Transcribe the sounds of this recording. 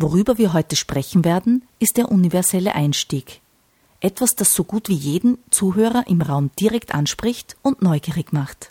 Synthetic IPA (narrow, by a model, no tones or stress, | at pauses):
voʁ̞yːbɐviːɐɦɔʏtəʃpʁ̥ɛçn̩veːɐdn̩ | ɪst̚d̥eːɐʔunivɛɐzɛlə̰ʔaɪnʃtiːk | ʔɛtv̥asd̥asz̥oːɡuːtv̥iːjeːdn̩t͡suːɦøːʁɐʔɪmʁaʊmd̥iʁɛktʔa̰nʃpʁ̥ɪçtʊntnɔʏɡ̥iːʁɪkmaχt